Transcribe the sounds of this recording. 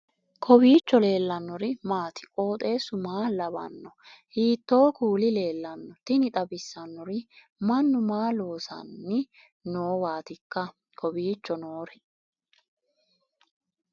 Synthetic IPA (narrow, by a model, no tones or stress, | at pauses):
kʰɔbiːt͡ʃːɔle̞ːlːɐnːɔɾɪmaːt̪ɪ̥kʼo̞ːt̪ʼe̞ːsʊmaːlɐbɐ̰nːɔhiːt̪ːo̞ːkuːlɪle̞ːlːɐnːɔt̪ɪnɪt̪ʼɐbɪsːɐnːɔɾɪ | mɐnːʊmaːloːsɐ̰nːɪ | noːwaːt̪ɪkːɐ | kʰɔbiːt͡ʃːɔnoːɾɛ